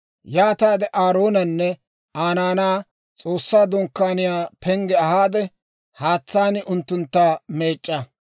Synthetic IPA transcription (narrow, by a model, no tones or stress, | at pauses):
jaːt̪aːd̪ɛʔaːɾo̞ːnɐnːɛ | aːnaːnaː | t͡sʼo̞ːsːaːd̪ɔŋkːaːnɪjaːpɛŋɡɛɐhaːd̪ɛ | haːt͡sːaːnɪʔʊnt̪ːʊnt̪ːame̞ːt͡ʃʼːɐ